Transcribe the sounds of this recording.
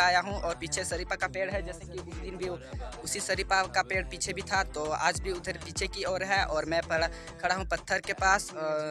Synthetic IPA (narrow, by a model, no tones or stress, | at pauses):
aːjaɦũʔɔːɾpiːt͡ʃʰesɐɾipakapeːɽɦɛd͡ʒɛːsekiʊsd̪ɪnbʱiʊsisəɾipakapeːɽpiːt͡ʃʰebʱit̪ʰat̪oa̰ːd͡ʒbʱiʊd̪ʱəɾpiːt͡ʃʰekiɔːɾɦɛʔɔːɾmɛ̃pə | kʰɐɽaɦũpɐt̪ʰːəɾkepaːs